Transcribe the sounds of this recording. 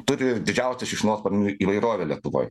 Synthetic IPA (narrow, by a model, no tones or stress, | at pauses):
t̪ʊɾʲɪd̪ʲɪd͡ʒʲɛʊsʲɛsʃʲɪʃnoːspɐɾʲnʲuiːʋɐɪɾoːʋʲelʲiɛt̪ʊʋo̰ːj